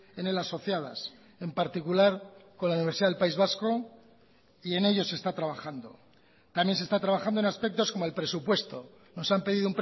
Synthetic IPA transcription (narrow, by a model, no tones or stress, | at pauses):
e̞ne̞laso̞θjaða̰s | e̞mpaɾt̪ikulaɾko̞nlauniβ̞eɾsiðaðelpaizβasko̞ | ie̞ne̞ʎo̞se̞st̪at̪ɾaβaxand̪o̞̰ | t̪amje̞nse̞st̪at̪ɾaβaxand̪oe̞naspe̞k̚t̪o̞sko̞moelpɾe̞supwe̞st̪o̞ | no̞sampe̞ðiðoump